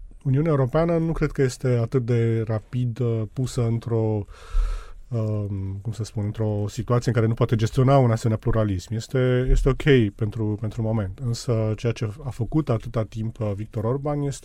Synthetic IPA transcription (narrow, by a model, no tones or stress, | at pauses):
uniuneaeuɾo̞peanənukɾe̞d̪̚kəje̞st̪e̞at̪ɨt̪̚d̪e̞rapid̪pusəɨnt̪ɾo̞ | əkumsəspunɨnt̪ɾo̞sit̪uat̪sijeɨŋkaɾe̞nupoat̪e̞d͡ʒest̪io̞naunasemenapluɾalismje̞st̪e̞jest̪e̞o̞kʰʲe̞jpe̞nt̪ɾupent̪ɾumo̞me̞nt̪ɨnsət͡ʃe̞jat͡ʃe̞afəkut̪at̪ɨt̪at̪impəvik̚t̪o̞ɾo̞rbanje̞st̪e